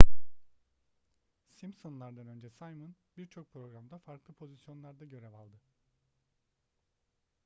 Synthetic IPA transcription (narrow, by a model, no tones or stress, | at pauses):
simsonlˠaɾd̪anø̞nd͡ʒɛsajmɯnbiɾt͡ʃʰo̞k̚pʰɾo̞ɡɾamd̪afaɾklˠɯpʰo̞zisjo̞nlˠaɾd̪aɟø̞ɾɛvalˠd̪ɯ